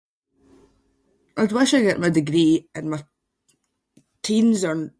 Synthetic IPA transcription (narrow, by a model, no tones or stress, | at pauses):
ʔaɪdwaʃəɡɛʔmaɪdɪɡɹiːə̃nma | tʰĩnzən